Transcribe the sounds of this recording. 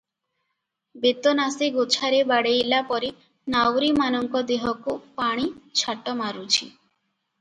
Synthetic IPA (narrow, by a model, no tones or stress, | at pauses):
bet̪onaseɡot͡ʃʰaɾebaɽejlapɔɾe | nawɾimanɔŋkɔd̪eɦɔkupaɽ̃it͡ʃʰaʈɔmaɾut͡ʃʰḭ